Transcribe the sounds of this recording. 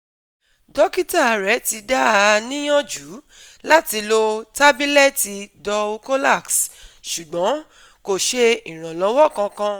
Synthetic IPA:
dɔ˦ki˦ta˦˨ɾɛ˨˦ti˨˧da˦˨˧nĩ˦j̃ɔ̃˦d͡ʒu˨˦ | la˦ti˧lo˧ta˦bi˦lɛ˦˨ti˧dɔ˧o˧ko˦la˦˨ksʃu˨ɡ͡bɔ̃˨˦ | ko˦˨ʃe˧i˨ɾ̃ã˨lɔ˨˧˦wɔ˦˨kã˧kã˧

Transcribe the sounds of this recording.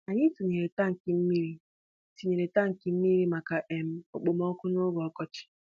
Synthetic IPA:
a˨ɲɪ˦si˨ɲe˨ɾe˨ta˦ŋ̩˨kɪ˨m̩˦mi˦ɾi˦ | si˨ɲe˨ɾe˨ta˦ŋ̩˨ki˨m̩˦mi˦ɾi˦ma˨ka˨ʔe˨m̩˦o̰˨k͡po˨mɔ˦kʊ˦no˦ɡɔ˨˦kɔ˦t͡ʃɪ̥˦

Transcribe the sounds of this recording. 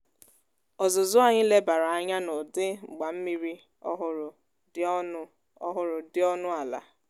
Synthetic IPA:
ɔ˨zʊ˨zʊ˦a˨ɲɪ˦le˦ba˨ɾa˨a˨ɲa˦no˨dɪ˦ŋ͡m̩˨ɡ͡ba˨m̩˦mi˨ɾi˦ | ɔ˦ɦʊ˨ɾʊ˨˦ | ɦʊ˨ɾʊ˨dɪ˦ɔ˦nʊ˦a˨la̰˨

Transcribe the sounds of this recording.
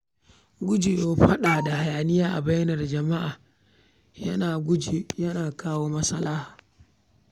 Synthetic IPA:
ɡʊ˦d͡ʒi˨jo˦ɸa˦ɗaː˨da˨ha˨ja˨nɪ˦jaː˦ʔa˨ba˦jnɐ˨ɾd͡ʒɐ˨ma˦ʔa˨ | jɐ˦naː˨ɡʊ˦d͡ʒi˨jɐ˦naː˨kaː˦woː˦ma˦sa˦laː˦h

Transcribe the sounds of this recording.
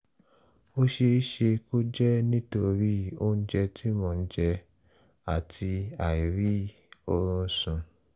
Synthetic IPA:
o˦ʃe˧i˦ʃe˧ko˦d͡ʒɛ˦nĩ˦to˧ɾi˦o˦n̩˦d͡ʒɛ˧tʰi˦mɔ̃˧˦d͡ʒɛ˧ | a˨tʰi˧a˨i˨ɾi˦ | o˧ɾũ˧n̩˦sũ˧

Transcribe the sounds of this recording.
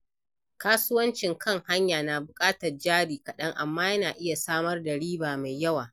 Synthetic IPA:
kaː˦sʊ˦wɐ˦nt͡ʃɪ˨ŋkʰɐ˦ŋha˦ɲjaː˨na˨bʊ˨kʼaː˦tɐ˨rd͡ʒaː˦ɽiː˨kɐ˨ɗɐ˦ŋʔa˨mːaː˦jɐ˦naː˨ʔɪ˦ja˨saː˦mɐ˦rda˨ɽiː˦baː˨ma˨jjːɐ˦waː˨

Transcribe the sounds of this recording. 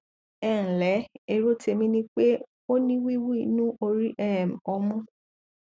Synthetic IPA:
ɛ̃˦˨lɛ˨˦e˧ɾo˦te˧mĩ˦nĩ˦k͡pe˦ | o˦nĩ˦wi˦wi˦˨˧nũ˦ʔo˧ɾi˦ʔɛ˦˨m̩˨ɔ˧mũ˦

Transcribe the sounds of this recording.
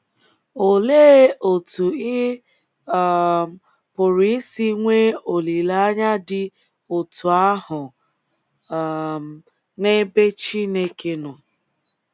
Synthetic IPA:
o˨le˦o˨tu˨i˦˨ | pʊ˨ɾi˦ɪ˦si˦ŋʷe˦o˨li˨la˦a˦ɲa˦dɪ˦ | o˨tʰu˨a˦hʊ˨ | ne˦be˦t͡ʃi˦ne˦ke˦nɔ˨

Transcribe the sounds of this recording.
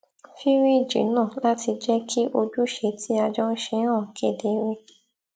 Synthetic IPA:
fi˦ɾi˦˨d͡ʒḭ˨˦nãː˦˨la˦ti˧d͡ʒɛ˦kʰi˦ʔo˧d͡ʒu˦ʃe˧˦tʰi˦a˧d͡ʒɔ˦ʃe˧˦ɾ̃ã˦˨ke˦˨de˨˦ɾe˧

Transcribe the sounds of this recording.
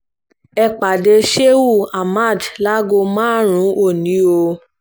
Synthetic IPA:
ɛ˧k͡pa˨de˧ʃe˦wu˦˨a˨ma˦˨dla˦ɡo˧mãː˦ɾ̃ũ˨˦o˦˨nĩ˨˦o˧

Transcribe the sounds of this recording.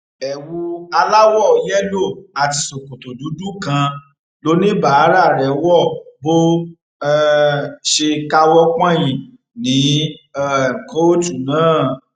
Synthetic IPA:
ɛ˨wu˧a˧la˦wɔ˦˨jɛ˦lo˦˨a˨ti˧so˨ko˨to˨du˨˦du˦kã˧ | lo˦nĩ˦ba˦˨a˦ɾa˦˨ɾɛ˨wɔ˦˨bo˦ | ʃe˧ka˧wɔ˦k͡pã˦j̃ĩ˨ | nĩ˨˦˨ | ko˦o˦tu˦˨nãː˦˨

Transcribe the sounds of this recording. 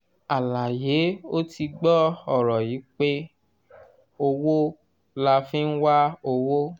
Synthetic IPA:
a˨la˨je˨˦o˦ti˧ɡ͡bɔ˦ɔ˨ɾɔ˨ji˨˦k͡pe˦ | o˧wo˦ | la˧fĩ˦n̩˦wa˦o˧wo˦

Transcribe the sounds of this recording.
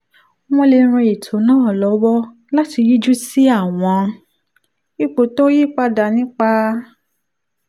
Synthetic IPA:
m̃õ˧le˧ɾ̃ĩ˧i˨tʰo˨˦nãː˦˨lɔ˨˦wɔ˦ | la˦ti˧ji˦d͡ʒu˦si˦a˦˨w̃ɔ̃˧ | i˦˨k͡po˨to˦ji˦k͡pa˧da˨nĩ˦k͡pa˧

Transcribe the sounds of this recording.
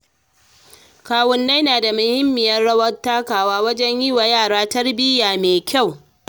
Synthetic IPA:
kaː˨wʊ˦nːa˦jnaː˨da˨mʊ˨hɪ˦mːɪ˨jɐ˦rɽɐ˦wɐ˦rtːaː˦kaː˨waː˦wɐ˦d͡ʒɛ˦ɲji˦wa˨jaː˦˨ɽaː˦tɐ˦rbɪ˦jaː˨meː˨kʲa˦˨w

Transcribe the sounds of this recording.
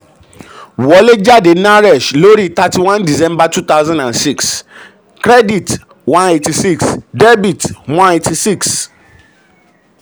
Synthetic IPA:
wɔ˦le˦d͡ʒa˦de˨na˦ɾe˨ʃlo˦ɾi˦ta˨ti˨wã˦ndi˨sɛ̃˦mba˦tu˦t̪a˦ʊzãndã˨nsi˦ks | kɾɛ˦di˨t | wã˦ne˨ti˨si˦ksde˦bi˨twã˦netʰi˨si˦ks

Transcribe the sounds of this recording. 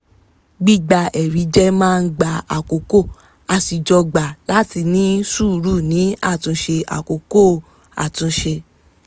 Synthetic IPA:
ɡ͡bi˦˨ɡ͡ba˧ʔɛ˨ɾi˨˦d͡ʒɛ˦mãː˦˧n̩˦ɡ͡ba˧a˨ko˨ko˦˨ | a˧si˨d͡ʒɔ˧ɡ͡ba˨la˨˦ti˧nĩ˦su˦˨ɾu˦˨nĩ˨˦a˦˨tũ˧˦ʃe˧ʔa̰˨ko˨ko˦˨ | a̰˨tũ˧ʃe˧

